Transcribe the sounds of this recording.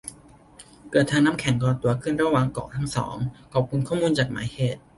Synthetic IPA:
kɤː˨˩t̪ʰːaː˧ŋnaː˦˥mkʰɛ˨˩˦ŋkɔː˧˩t̪u˧ɐkʰɯ˥˩˨nɾa˧˥˩wa˧˩ŋkɔ̰ː˨˩k̚t̪ʰa˦˥ŋsɔ̰ː˩˦ŋkʰɔː˨˩p̚kʰu˧nkʰɔː˥˩muː˧nt͡ɕaː˨˩k̚ma̰ː˩˦jheː˨˩t̪̚

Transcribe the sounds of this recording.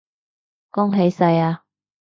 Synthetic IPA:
kɔ˥ŋɦe˨˧˥jsɐ˧jaː˧

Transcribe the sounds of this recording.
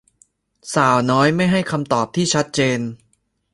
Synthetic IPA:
saː˨˩wnɔː˦˥jma˥˩jɦa˥˩jkʰa˧mt̪ɔː˨˩p̚t̪ʰiː˥˩t͡ɕʰa˦˥t̪̚t͡ɕeː˧n

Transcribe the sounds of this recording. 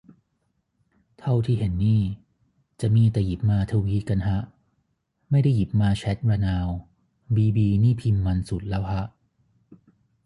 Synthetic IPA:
t̪ʰa˥˩wt̪ʰiː˥˩ɦe˩˦nːiː˥˩ | t͡ɕa˨˩miː˧t̪ɛː˨˩ji˨˩p̚maː˧t̪ʰa˧wiː˦˥ka˧nɦa˦˥ʔ | ma˥˩jda˥˩ji˨˩p̚maː˧t͡ɕʰɛ˦˥t̪̚ɾaː˧naː˧w | biː˧biː˧niː˥˩pʰi˧mːa˧nsu˨˩t̪̚lɛː˦˥wkʰa˦˥ʔ

